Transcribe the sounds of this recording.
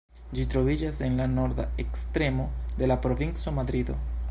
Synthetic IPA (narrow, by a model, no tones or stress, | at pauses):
d͡ʒitɾo̞vid͡ʒase̞nlano̞ɾd̪a̰ekstɾe̞mo̞de̞lapɾo̞vint͡so̞mad̪ɾido̞̰